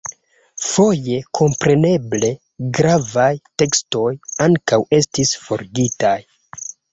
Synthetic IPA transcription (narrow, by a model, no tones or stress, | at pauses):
fo̞je̞kʰo̞mpɾe̞ne̞ble̞ | ɡɾavajte̞ksto̞jaŋkawe̞stisfo̞ɾɡitaj